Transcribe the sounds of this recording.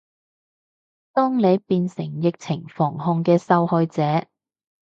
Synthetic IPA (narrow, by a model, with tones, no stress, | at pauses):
t̪ɔː˥ŋne˨˧jpiː˧nsɪ˨˩ŋjɪ˨k̚t͡sʰɪ˨˩ŋfɔː˨˩ŋɦʊ˧ŋkɛː˧sɐ˧whɔː˧jt͡sɛː˨˧˦